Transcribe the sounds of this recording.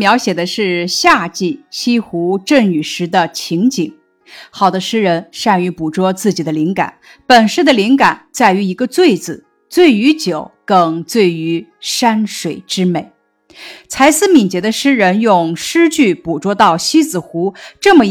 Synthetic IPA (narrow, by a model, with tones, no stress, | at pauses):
mjɑ˧˥ʊɕjɛ˨˩d̪ə˦ʂɻ̩˥˧ɕja˥˧t͡ɕi˥˩ɕi˥xu˧˥ʈ͡ʂə˥˩ŋy˨˩ʂɻ̩˧˥d̪ə˧t͡ɕʰi˧˥ŋt͡ɕi˨˩˦ŋ | xɑ˨˩ʊd̪ə˦ʂɻ̩˥ɻə˧˥nʂa˥˩ny˧˥pu˨˩ʈ͡ʂwɔ˥t͡sɹ̩˥˩t͡ɕi˨˩d̪ə˦li˧˥ŋka̰˨˩˦n | pə˨˩nʂɻ̩˥˩d̪ə˩li˧˥ŋka˨˩˦nt͡sa˥˩ɪy˧˥i˧˥ɡə˧t͡swe˥˩ɪt͡sɹ̩˨˩˦ | t͡swe˥˩ɪy˧˥t͡ɕjo˨˩˦ʊkɤ˧˩ŋt͡swe˥˩ɪy˧˥ʂa˥nʂwe˨˩ɪʈ͡ʂɻ̩˥me˨˩˦ɪ | t͡sʰa˧˥ɪsɹ̩˥mi˨˩nt͡ɕjɛ˧˥d̪ə˧ʂɻ̩˥ɻə˧˥njʊ˥˧ŋʂɻ̩˥t͡ɕy˥˩pu˨˩ʈ͡ʂwɔ˥t̪ɑ˥˩ʊɕi˥t͡sɹ̩˨˩xu˧˥ʈ͡ʂɤ˥˩mə˩